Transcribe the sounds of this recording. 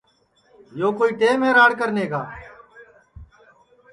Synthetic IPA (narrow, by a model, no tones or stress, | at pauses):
joːkoːiːʈeːmẽːɾaːɽkəɾneːkaː